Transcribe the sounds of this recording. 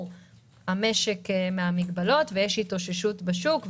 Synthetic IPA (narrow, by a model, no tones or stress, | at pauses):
hame̞ʃekmeamiɡbalo̞tvejeʃito̞ʃeʃutbeʃukv